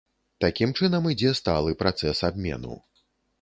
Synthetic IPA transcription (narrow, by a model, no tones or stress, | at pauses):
t̪akʲimt͡ʂɨnɐmid͡zʲɛst̪alˠɨpɾat̪sɛsabʲmʲɛ̰nṵ